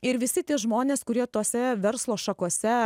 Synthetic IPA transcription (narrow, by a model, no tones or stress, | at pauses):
ɪɾʋʲɪsʲɪt̪ʲiɛʒmoːnʲeːskʊɾʲiɛt̪oːsʲɛʋʲɛɾslˠoːʃɐkuɔsʲɛ